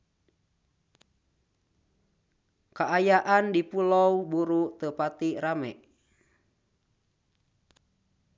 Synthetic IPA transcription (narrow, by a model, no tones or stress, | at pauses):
kaʔajaʔandipulɔwbuɾut̪əpat̪iramɛ̰